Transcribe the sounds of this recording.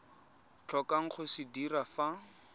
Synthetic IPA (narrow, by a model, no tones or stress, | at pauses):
t͡ɬʰɔkaŋ̩χʊsɪdirafa